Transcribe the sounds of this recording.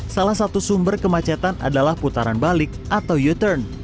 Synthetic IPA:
salahsat̪usumbərkəmat͡ʃat̪anʔa̰dalahput̪aɾanbalɪk̚ʔat̪awjut̪ərn

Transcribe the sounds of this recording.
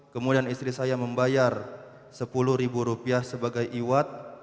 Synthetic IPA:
kəmudianist̪ɾisajaməmbajar | səpuluhɾibuɾupiahsəbaɡajʔiwat̪̚

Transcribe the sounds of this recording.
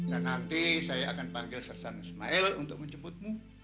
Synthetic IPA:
danːant̪isajaakanpaŋɡɪlsərsanisma̰ɛlṵnt̪ʊk̚məɲt͡ʃəbʊt̪̚mu

